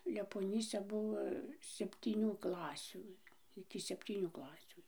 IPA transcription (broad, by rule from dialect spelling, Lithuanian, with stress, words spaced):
lʲɛpoːˈnʲiːsʲɛ ˈbʊʋoː sʲɛpʲtʲiːˈnʲuː ˈklˠɑːsʲuː ɪkʲɪ sʲɛpʲˈtʲiːnʲuː ˈklˠɑːsʲuː